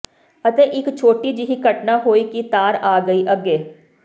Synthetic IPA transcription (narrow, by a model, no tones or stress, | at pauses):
ət̪eːʔɪkt͡ʃʰoːʈiːd͡ʒɪɦiːkəʈnaːɦoːiːkit̪aːɾaːɡəiʔəɡeː